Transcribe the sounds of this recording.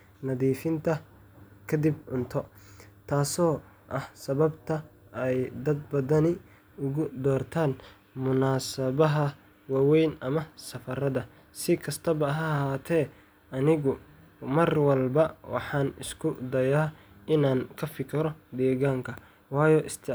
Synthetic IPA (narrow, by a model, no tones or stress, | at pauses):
nɐðiːfɪnt̪ʰɐ | kʰɐd̪ibʕʊnt̪ʰɔ | t̪ʰaːsɔːʔɐhsɐβɐbt̪ʰɐɛjd̪ɐd̪bɐðɐnɪ | ʊɣʊd̪ɔːrt̪ʰaːn | mʊnaːsɐβɐɦɐ | wɑːwɛjnʔɐmɐsɐfɐɾɐðɐ | sɪkʰɐst̪ʰɐβɐːɦahaːt̪ʰɛː | ʔɐnɪɣʊ | mɐrwɐlbɐwɑ̰ħɑːnɪ̰skʰʊd̪ɐjaːʔɪnaːnkʰɐfɪkʰɪɾɔd̪ɛːɣaːŋkʰɐ | wɑːjɔʔɪst̪ʰɪ